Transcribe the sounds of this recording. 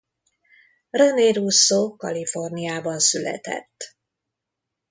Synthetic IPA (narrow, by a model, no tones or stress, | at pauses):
røneːɾusːoːkɒ̰lifo̞rnijaːbɒnsylɛ̰t̪ɛ̰t̪ː